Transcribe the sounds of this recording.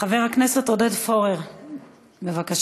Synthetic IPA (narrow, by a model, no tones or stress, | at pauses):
χave̞ʁhaknese̞t̪odedfo̞ʁeʁ | be̞vakaʃ